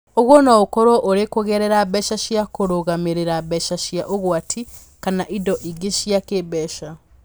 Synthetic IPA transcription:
oɣwɔnaokɔɾoʔoɾekoɣɛɾɛɾaβɛʃaʃjakoɾoɣameɾeɾaβɛʃaʃjaʔoɣwatʰi | kanaʔidɔʔiɡeʃjakeβɛʃa

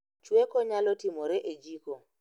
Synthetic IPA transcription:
t͡ʃwekɔɲalɔtimɔɾɛʔed͡ʒiko

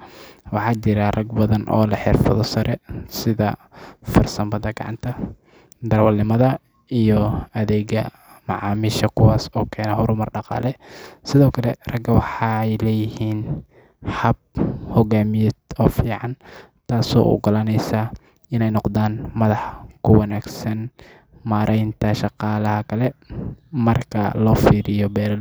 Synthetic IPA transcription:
wɑħɑːt͡ʃɪɾɐrɐɡbɐðɐnʔɔ̰ːlɐħɪrfɐðɔsɐɾʔɛsɪðɐfɐrsɐmbɐðɐɡɑ̰ʕɑ̰nt̪ʰɐ | d̪ɐrwɐlːɪmɐðɐ | ijɔɐðɛːɣɐ | mɑʕɑːmiʃɐkʰʊwaːsɔːkʰɛːnɛɦɔɾʊmɐrɖɑqɑ̰ːlɛsɪðɔːkʰɐlɛrɐɡɐwɑħɑjlɛːjɪhiːn | hɐb̚hɔɣaːmɪjɛd̪ɔːfiːʕɑn | t̪ʰaːsɔ̰ːʔʊ̰ɡɐlɐnɛjsaː | ɪnɛjnɔqd̪aːnmɐðɑħkʰʊwɑnaːɡsɐn | maːɾʔɛjnt̪ʰɐʃɑqɑːlɐhɐkʰɐlɛ | mɐrkʰɐ̰lɔːfiːɾɪjɔbɛːɾɐl

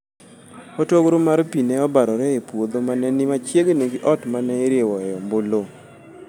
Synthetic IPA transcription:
ɔtoɡɾomaɾpineɔbaɾɔɾɛepwod̪omanɛnɪmat͡ʃjeɡeneɡɪʔɔtmanɛɪɾjewɔjɔmbolo

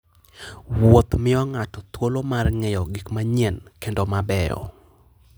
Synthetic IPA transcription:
wot̪mɪɔŋatɔt̪wolomarŋɛjɔɡikmaɲɛnkendomabɛɔ̰

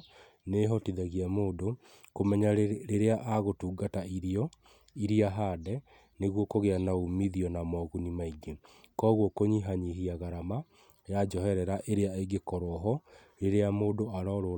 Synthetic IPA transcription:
neɦɔtiðaɣiamoːdo | komɛɲaɾeɾeaʔaɣotuːɡataiɾiɔ | iɾiaɦaːdɛ | neɣwɔkoɣeanaumiðiɔnamɔɣunimaiɡekɔːɣwɔkoɲiɦaɲiɦiaɣaɾama | jad͡ʒɔɦɛɾɛɾaʔeɾeaeɡekɔɾwɔɦɔ | ɾeɾeamoːdoaɾɔɾo

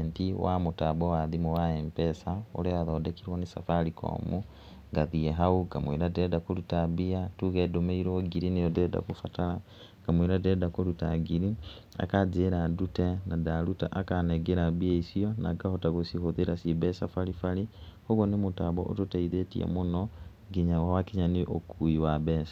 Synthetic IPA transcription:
ntiwa̰mutabowaðimowaeːmpɛsao̰ɾeaðoːdekiɾwonisa̰falikʰo̰mu | ŋɡaðieɦauɡamweɾadedakolutabiatuɣedomeiɾoɡiɾinejodɛda̰kufatala | ɡ̥amweɾadedakolutaɡiɾi | a̰kad͡ʒeɾadutɛnadaɾutaʔakanɛɡeɾabiaisiɔna̰ɡahotaɣosihoðeɾasibɛsafaɾifaɾihoɣonemotaβɔ̰ʔo̰totaiðetiɛ̰monɔ | ɡiɲawawakiɲaniʔokʰuiwabɛːsḁ

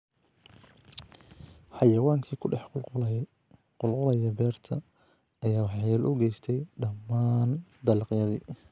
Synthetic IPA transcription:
ħɑjɐwaːŋkʰiːkʰʊɖɛħ | qʊlqʊlɐjɐbɛːrt̪ʰɐ | ɐjaːwɑħjɛːlʔʊɡɛjst̪ʰɛjɖɐmːaːnd̪ɐlqjɐðḭː

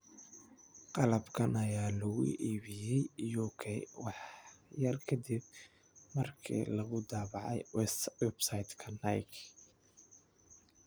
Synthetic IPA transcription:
qɑlɐbkʰɐnɐjaːlɔɣʊ̰ʔiːβɪjɛjjɔkʰɛwɑħjɐrkʰɐd̪ib̚ | mɐrkʰḭːlɐɣʊd̪aːβɑʕɛ̰jwɛswɛbsajd̪kʰɐnɐjk

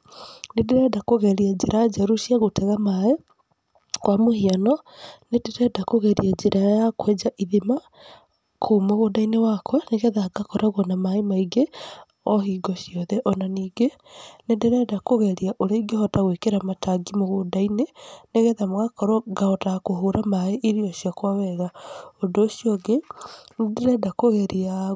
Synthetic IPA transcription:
nedeɾɛdakoɣɛɾiad͡ʒeɾad͡ʒaɾoʃiaɣotɛɣamaɛ | kwamohianɔnedeɾɛdakoɣɛɾiad͡ʒeɾʔajakwɛd͡ʒaʔiðima | kʰuːmoɣodainewakwaneɣɛðaɡakɔɾaɣɔnamaemaiɡe | ɔɦiɡɔʃjɔðɛʔɔnaniːɡe | nedeɾɛdakoɣeɾiaʔoɾeiɡehɔtaɣwekeɾamataɡimoɣodaineneɣɛðamoɣakɔɾɔɡahɔtakoɦoɾamaeʔiɾioʃjakwaβɛɣaondoʃijɔɡendeɾɛdakoɣeɾia

